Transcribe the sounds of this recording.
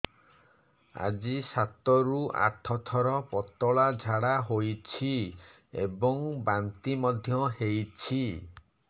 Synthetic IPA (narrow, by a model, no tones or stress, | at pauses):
a̰d͡ʒisat̪ɔɾua̰ʈʰɔt̪ʰɔɾɔpɔt̪ɔɭad͡ʒʱaɽaɦojt͡ʃʰi | ḛbɔŋbant̪imɔd̪ʱjɔɦejt͡ʃʰi